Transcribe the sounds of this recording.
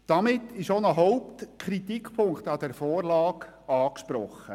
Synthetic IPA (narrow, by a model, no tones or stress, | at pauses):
d̥ɑmɪtːɪʃonəɦɔʊptkʰɾit̪ikʰpʰʊŋktɑd̥ɛɾfɔːrlɑːk | ɑːkʃpɾɔχə